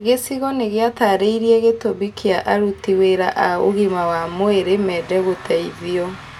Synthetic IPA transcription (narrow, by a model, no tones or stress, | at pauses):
ɣesiɣɔneɣeataɾeiɾieɣetoβikʰeaʔaɾutiweɾaʔaoɣimawamoeɾemɛːdɛɣotʰɛiðiɔ